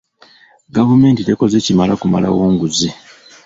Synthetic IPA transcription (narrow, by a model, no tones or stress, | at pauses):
ɡavume̞ːntite̞ko̞zecimalakuma̰la̰woːŋɡuzi